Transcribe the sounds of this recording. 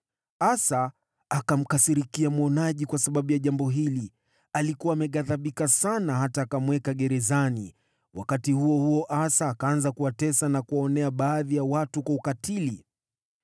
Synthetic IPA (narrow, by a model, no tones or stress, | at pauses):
asaː | kam̩kasiɾikiamwɔnaʄikwasaɓaɓujaʄambɔɦili | alikuwaːmɛɠaðaɓikasanaɦataːkamwɛkaɠɛɾɛzani | wa̰katihuɔhuɔʔasaːkaanzakuwatɛsanakuwaɔnɛaɓaːðijawatukwaukatili